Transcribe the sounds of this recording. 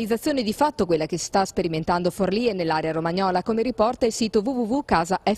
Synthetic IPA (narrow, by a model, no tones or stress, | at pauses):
lid̪zat̪sːjoːned̪ifat̪ːokwelːakesi̥st̪aspeɾiment̪and̪oforliːenelːaːɾeaɾomaɲɔːlakomeɾipɔrt̪ailsiːt̪ovuvuvukaːzaɛ